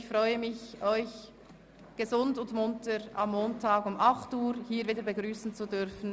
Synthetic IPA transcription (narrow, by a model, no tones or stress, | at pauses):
çfʁɔʏəmɪçʔɔʏç | ɡ̥əzʊndʊntmʊntəɾʔamːoːntʰaːɡʊmʔɑχtuːɾhiːɾviːdəɾbəɡʁyːsn̩t͡sudʏɾfn̩